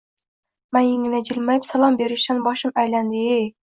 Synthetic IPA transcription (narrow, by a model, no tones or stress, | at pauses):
manjɪŋɪnad͡ʒɪlmajɪpsalˠɒmbeɾɪʃanbɒʃɪmæjland̪ɪej